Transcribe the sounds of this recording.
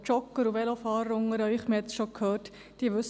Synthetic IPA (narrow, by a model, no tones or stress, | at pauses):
t͡ʃɔkːəɾuʋɛlofɑːɾʊŋəɾɑɪχmiɛt͡sʃokʰhøːɾt | d̥iːəʋʏs